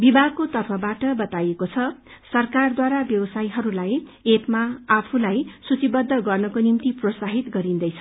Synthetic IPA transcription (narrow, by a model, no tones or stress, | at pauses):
bibʱaɡ̚kot̪ʌrpʰʌbaʈʌbʌt̪ajekot͡sʰʌsʌrkard̪waɾabjʌbʌsajɦʌɾulajepmaːpʰulajsut͡sibʌd̪ʱːʌɡʌrnʌkonimt̪iprosaɦit̪ɡʌɾind̪ʌjt͡sʰʌ